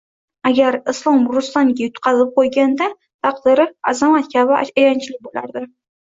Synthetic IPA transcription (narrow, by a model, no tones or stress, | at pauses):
aɡʲaɾɪslˠɒmɾʊst̪anɡʲajʊt̪qʰɑzɪp̚qʰojɡʲand̪a | t̪ʰɑqd̪ɪɾɪazamat̪kʲʰabɪajɑnt͡ʃʰɪlɪk̚ʲbolaɾd̪ɪ